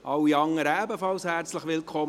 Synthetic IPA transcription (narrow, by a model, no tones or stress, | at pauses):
ʔɑwiɑŋːəɾəæbəfɑlshæɾt͡sləχʋɪlkʰχɔ